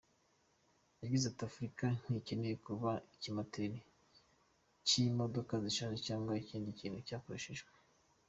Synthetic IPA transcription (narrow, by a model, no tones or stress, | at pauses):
jaɡizatiafuɾikan̥icenejekuβaicimatʰeɾi | cimo̞do̞kaziʃanecaːŋɡwaiciːndiciːnhucaːkoɾeʃeʒɡwe